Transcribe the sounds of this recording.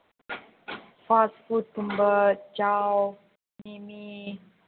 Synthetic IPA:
fasfutumbət͡ʃaw | nimi

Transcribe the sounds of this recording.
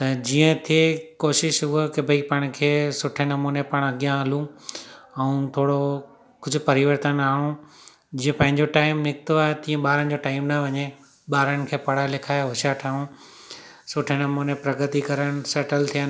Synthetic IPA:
t̪ɐd͡ʑiːə̃t̪ʰiekoːʃɪʃɦukebʱɐipɐɽ̃kʰeːsʊʈʰenɐmunepɐɽ̃ɐɡijãɐlũ | ɛũt̪ʰoːɽo | kʊd͡ʑʱʊpɐɾɪʋəɾt̪ənaːɽ̃ũ | d͡ʑiːə̃pɐ̃ɦɪ̃ɲd͡ʑoʈaːɪmnɪkt̪oaːɦet̪ĩːə̃ɓaːɾənɪ̆d͡ʑoʈaːɪmnɐʋɐɲe | ɓaːɾəɽ̃ɪ̆kʰeːpɐɽalekʰaːɦʊʃaʈʰaːũ | sʊʈʰenɐmunepɾɐɡət̪ikɐɾəɽ̃sɐʈəlt̪ʰijaː

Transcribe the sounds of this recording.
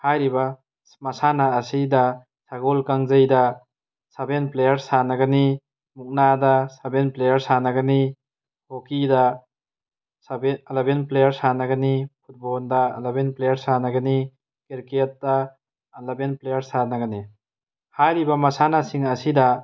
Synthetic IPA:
hajɾibɐ | mɐsanaːsidɐ | saɡolkaŋzəjdɐ | sabenplejɐɾsanɐɡɐni | muk̚nadɐsabenplejɐɾsanɐɡɐni | hokidɐ | blebenplejɐɾsanɐɡɐnipʰut̚bɔldɐ̰labenplejɐɾsanɐɡɐni | kiɾket̚dɐː | labenplejɐɾsanɐɡɐni | hajɾibɐmɐsanasiŋɐsidɐ

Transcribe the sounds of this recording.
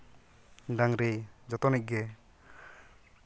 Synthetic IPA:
daŋɾed͡ʒɔt̪ɔnɛc̚ɡɛ

